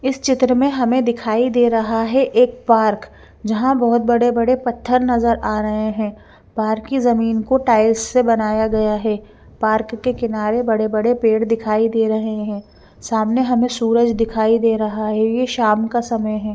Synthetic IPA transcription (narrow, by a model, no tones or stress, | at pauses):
ɪst͡ʃɪt̪ɾəmẽɦɐmẽd̪ɪkʰaːid̪eːɾɐɦaɦɛʔeːk̚paːɾk | d͡ʒɐɦãbɐɦʊt̪̚bɐɽebɐɽepɐt̪ʰːəɾnɐzəɾʔaːɾɐɦeɦɛ̃ː | paːɾkːizɐmiːnkoʈaːɪlssebɐnaːjaɡɐjaɦɛː | paːɾkːekɪnaːɾebɐɽebɐɽepeːɽd̪ɪkʰaːid̪eːɾɐɦeɦɛ̃ː | saːmneɦɐmẽsuːɾəd͡ʒd̪ɪkʰaːid̪eːɾɐɦaɦɛjeʃaːmkasɐməjɦɛː